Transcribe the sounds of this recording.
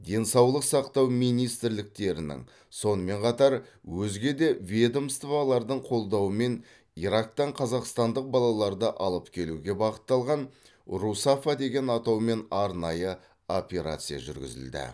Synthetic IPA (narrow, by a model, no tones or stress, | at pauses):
d̪e̞nsɑwlˠəqsɑqt̪ɑwmijnijst̪ɪɾlɪk̚t̪e̞ɾɪnɪ̰ŋ | so̞nəme̞ɴqʰɑt̪ɑɾwɵzɡʲe̞d̪e̞vʲe̞d̪omst̪valˠɑɾd̪əɴqʰo̞lˠd̪ɑwəme̞n | iɾak̚t̪ɑɴqʰɑzɑqst̪ɑnd̪əq̚bɑlˠɑlˠɑɾd̪əʔɑlˠəpkʲʰe̞luɡʲe̞bɑqə̥t̪ːɑlˠʁɑn | rusafad̪e̞ɡʲe̞nɑt̪ɑwme̞nɑɾnɑjə | o̞pʲeɾa̰t̪sɨja̰ʒʏ̰ɾɡʲɪ̰zɪ̰ld̪ɪ̰